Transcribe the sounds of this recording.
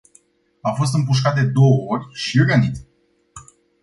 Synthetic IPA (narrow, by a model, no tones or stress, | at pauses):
afo̞s̬t̪ɨmpuʃ̬kat̪̚d̪e̞d̪o̞wəo̞rʲʃiorɡanit̪s